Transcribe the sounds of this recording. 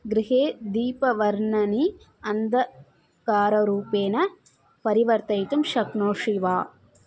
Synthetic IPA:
ɡɾiɦeːd̪iːpɐʋɐɾɳɐni | ɐnd̪ɐ | kaːɾɐɾuːpeːnɐ | pɐɾiʋɐɾt̪ɐjt̪ɐmʃɐkɳoːʂiʋaː

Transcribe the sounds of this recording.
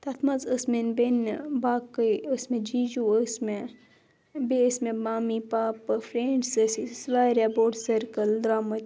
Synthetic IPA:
t̪ɐt̪ʰmɐzəsmenbenbaːkəsmẽd͡ʒid͡ʒuəsme | besmẽmaːmipaːpfʰɾeːɳɖsəsisʋaːɾeboːɖsɐɾkəld̪ɾaːmɐt̪

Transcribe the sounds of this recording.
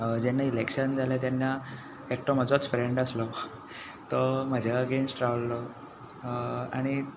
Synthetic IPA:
d͡ʑenːailekʂənd͡zʱaljat̪janːa | ek̚ʈom̤əd͡zot͡sfɾeɳɖəslɔ | t̪ɔm̤əd͡ʑʱaəɡensʈɾaʋlːɔ | a̰ɽ̃i

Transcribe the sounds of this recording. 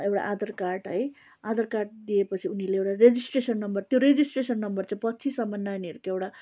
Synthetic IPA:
ewɽa̰ʔad̪ʌrkaʈɦʌj | ad̪ʌrkarʈ̚d̪ijepʌt͡sʰiunileewʈared͡zisʈresʌnːʌmbʌrt̪joɾed͡zisʈresʌnːʌmbʌrt͡sãpʌt͡sʰisʌmʌnːaniɾkewɽa

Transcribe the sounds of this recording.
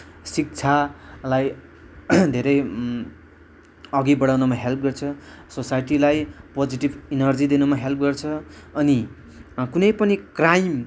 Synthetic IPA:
sik̚t͡sʰalaj | d̪ʱeɾʌj | ʌɡibʌɽawnʌmaɦelp̚ɡʌrt͡sʰʌ | sosajʈilajpod͡ziʈibinʌrd͡zid̪inumaɦelp̚ɡʌrt͡sʰʌʌni | kunʌjpʌnikrajm

